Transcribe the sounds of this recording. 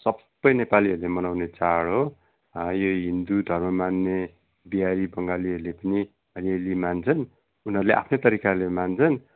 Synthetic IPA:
sʌbːʌjnepaliɦʌɾlemʌnawnet͡saɽɦo | joɦind̪ud̪ʱʌrmʌmanːe | biaɾibʌŋɡaliʌɾulepʌni | ʌljelimant͡sʰʌn | unɦʌɾleʔa̰pʰnet̪ʌɾikalemant͡sʰʌn

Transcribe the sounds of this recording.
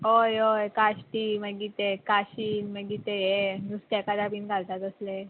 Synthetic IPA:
ɦojojkaɕʈiməɡit̪ekaɕiːnməɡit̪eɦenust̪jakad̪abiːnɡʱalt̪at̪əsle

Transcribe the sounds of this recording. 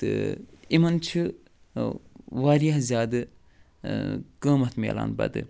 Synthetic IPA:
t̪ɨ̰imɐnt͡ʃʰɨ | ʋaːɾijaɦzʲjaːd̪ɨ | kə̃ːmɐt̪ʰmḛla̰ːnbɐ̰d̪ɨ̰

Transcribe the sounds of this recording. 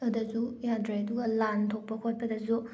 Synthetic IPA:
adazujadɾajɐduɡɐlantʰok̚pɐkʰot̚pɐdɐzu

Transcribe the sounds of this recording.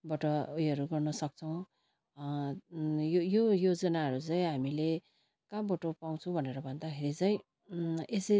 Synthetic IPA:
bʌʈʌujʌɾuɡʌrnʌsʌk̚t͡sʰʌw̃ | jojojod͡zʌnaɦʌɾut͡saĩɦamile | kambʌʈopaw̃t͡sʰũbʱʌneɾʌbʱʌnd̪akʰeɾit͡saĩ | esi

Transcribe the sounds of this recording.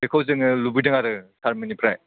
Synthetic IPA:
ekʰawzɯŋɯlubidɯŋaɾɯsʰaɾmɯnipʰɾaj

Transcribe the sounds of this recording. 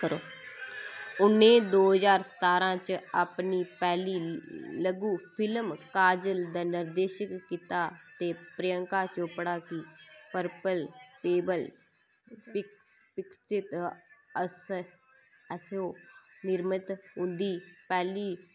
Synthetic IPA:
kəɾoː | ʊnːẽːd̪oːɦəzaːɾsə̥t̪aːɾãːt͡ʃaːpniːpɛːliːləɡuːpʰɪlmkaːd͡ʒəld̪aːnɪɾd̪eːʃəkːit̪aːt̪eːpɾəjəŋkaːt͡ʃopɽaːkiːpəɾpəlpeːbəl | pɪkt͡ʃɪt̪əs | əsoːnɪɾmət̪ʊnd̪iːpɛːliː

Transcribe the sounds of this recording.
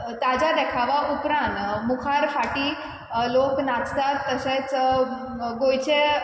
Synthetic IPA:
t̪ad͡ʑad̪ɛkʰaʋaʔupɾãnt̪mukʰaɾfaʈiː | loknat͡st̪at̪ːəɕet͡s | ɡojt͡ɕe

